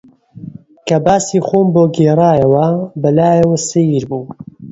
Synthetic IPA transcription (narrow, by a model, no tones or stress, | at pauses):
kɐbaːsiːxoːmboːɡeːraːjɐwɐbɐlaːjɐwɐsɐiɾbuː